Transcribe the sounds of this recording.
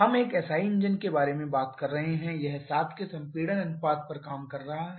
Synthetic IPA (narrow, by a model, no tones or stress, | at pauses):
ɦɐmeːkɛːsaːiɪ̃nd͡ʒənkebaːɾemẽbaːt̪kɐɾːɐɦeɦɛ̃jɐɦsaːt̪ʰkesɐ̃mpiːɽənɐnfaːt̪̚pɐɾkaːmkɐɾːɐɦaɦ